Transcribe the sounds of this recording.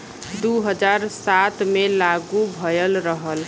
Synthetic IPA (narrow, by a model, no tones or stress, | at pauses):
d̪uɦəd͡ʒaɾsat̪melaɡubʱəjəlɾəɦəl